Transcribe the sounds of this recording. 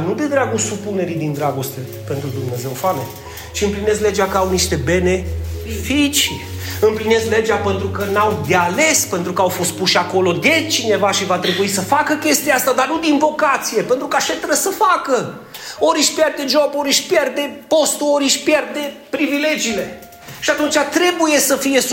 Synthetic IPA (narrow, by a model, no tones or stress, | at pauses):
nud̪e̞d̪ɾaɡusupune̞ɾid̪ind̪ɾaɡo̞st̪e̞ | pe̞nt̪ɾud̪umne̞ze̞wfalḛ | t͡ʃiɨmpline̞sle̞d͡ʒakəawniʃt̪e̞be̞ne̞fit͡ʃi | ɨmpline̞zled͡ʒape̞nt̪ɾukənawd̪eale̞spe̞nt̪ɾukəawfo̞st̪̚puʃako̞lo̞d̪e̞t͡ʃine̞vaʃivat̪ɾe̞buisəfakəkʲe̞st̪ieast̪ad̪arnud̪invo̞kat̪sije̞pe̞nt̪ɾukaʃet̪eɾəsəfakə | oɾiʃpjerd̪e̞ʒo̞boɾiʃpjerd̪e̞po̞st̪uoɾiʃʲpje̞rd̪e̞pɾivile̞d͡ʒiːle̞ | ʃiat̪unt͡ʃʲat̪ɾe̞buje̞səfije̞